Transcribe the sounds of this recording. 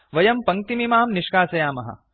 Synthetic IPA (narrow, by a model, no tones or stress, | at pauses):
ʋɐjɐmpɐŋ̚t̪imimaːmniʂkaːsɐjaːmɐɦɐ̰